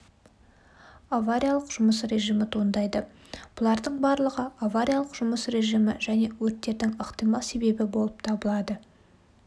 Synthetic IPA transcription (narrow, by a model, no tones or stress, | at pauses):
avaɾʲijalˠəqʒ̥ʊməsre̞ʒijmɪt̪ʰond̪ɑjd̪ə | b̥ʊlˠɑɾd̪əɴbɑɾlˠəʁəavaɾʲijalˠəqʒ̥ʊməsɾe̞ʒimɪ̰ʒæne̞wɵɾt̪ːe̞ɾd̪ɪŋəqt̪ijmɑlˠse̞be̞bɪbo̞lˠəp̚t̪ʰɑbəlˠɑd̪ə